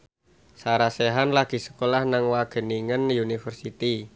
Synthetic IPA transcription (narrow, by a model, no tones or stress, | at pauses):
saɾaseɦanlaɡ̥i̤sə̥kolahnaŋwaɡ̥ə̤niŋənjunifərsit̪i